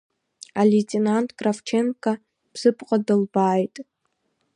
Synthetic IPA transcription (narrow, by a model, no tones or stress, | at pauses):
aletʼenantʼkʼraft͡ʃʰenkʰʼa | b̥z̥ɨpʰʼqʼadɨlbaːjtʼ